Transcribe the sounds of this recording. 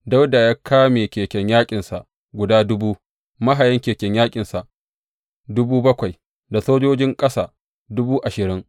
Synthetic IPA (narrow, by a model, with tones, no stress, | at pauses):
da˦wda˨jaː˦kʰaː˦meː˨kʲeː˨kʲɛ˨ɲjaː˦kʲʼɪ˨nsa˨ʔ | ɡʷʊ˨daː˦dʊ˦buː˦ | mɐ˦ɦa˨jɐ˦ŋkʲeː˨kʲɛ˨ɲjaː˦kʲʼɪ˨nsa˨ʔ | dʊ˦buː˦bɐ˦kʷa˨j | da˨soː˦d͡ʒoː˦d͡ʒɪ˦ŋkʼɐ˦saː˨ | dʊ˦buː˦ʔa˨ʃɪ˨ɾɪ˦ŋ